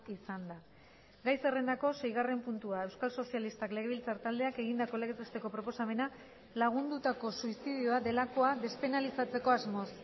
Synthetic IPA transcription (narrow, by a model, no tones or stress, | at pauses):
isand̪a | ɡajse̞re̞nd̪ako̞se̞jɣ̞are̞mpunt̪uae̞wskalso̞sialist̪akle̞ɣilt͡saɾt̪ald̪e̞ake̞ɣ̞ind̪ako̞le̞ɣet̪est̪e̞ko̞pɾo̞po̞same̞na | laɣ̞und̪ut̪ako̞suisið̞iuaðe̞lako̞aðe̞spe̞nalisat͡se̞ko̞azmo̞s